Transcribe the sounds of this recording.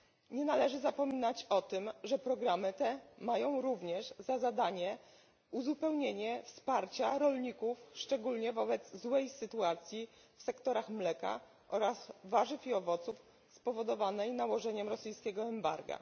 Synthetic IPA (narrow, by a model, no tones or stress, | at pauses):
ɲɛnalɛʐɘzapɔmʲinat͡ɕɔt̪ɘmʐɛpɾɔɡɾamɘt̪ɛmajɔ̃w̃ɾuvɲɛʐzazad̪aɲɛ | uzupɛwɲeɲɛfspaɾt͡ɕaɾɔlɲikufʂt͡ʂɛɡulɲɛvɔbɛd̪zzwɛjsɘt̪uat̪sʲji | fsɛkt̪ɔɾaxmlɛka̰ | ʔɔɾasvaʐɘfiɔvɔt̪suf | spɔvɔd̪ɔvanɛjnawɔʐɛɲɛmɾɔsɘjskʲɛɡɔɛmba̰ɾɡa̰